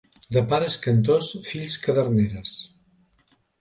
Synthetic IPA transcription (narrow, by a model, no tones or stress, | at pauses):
d̪əpaɾəskɐnt̪osfiʎskəðəɾneɾəs